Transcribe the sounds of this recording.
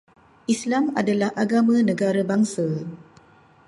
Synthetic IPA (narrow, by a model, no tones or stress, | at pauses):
ʔislamadalahʔaɡamãnə̃ɡaɾabaŋsa